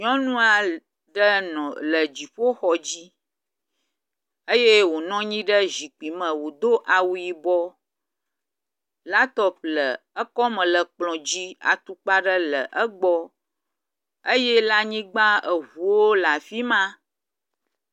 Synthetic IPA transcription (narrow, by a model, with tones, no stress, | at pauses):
ɲɔ̃˦nũ˦a˨ | ɖə˦nɔ̃˨lə˨d͡ʑi˨ɸo˦xɔ˨d͡ʑi˦ | ə˦je˦wo˨nɔ̃˦ɲĩ˦ɖə˦zi˨k͡pi˨mə̃˨wo˨d̪o˦ʔa˨wu˨ji˨bɔ˦ | la˦t̪ɔ˦p̚lə˨ə˦kɔ˦mə̃˨lə˨k͡plɔ̃˨d͡ʑi˦a̰˨t̪u˨k͡pa˦ɖə˦lə̰˨ʔə˦ɡ͡bɔ˦ | ə˦je˦la˦ɲĩ˦ɡ͡ba˦ə˨ɦu˨wo˦la˨fi˦mã˦